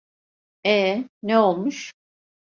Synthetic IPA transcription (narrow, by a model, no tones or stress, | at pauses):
ɛneo̞lˠmuʃ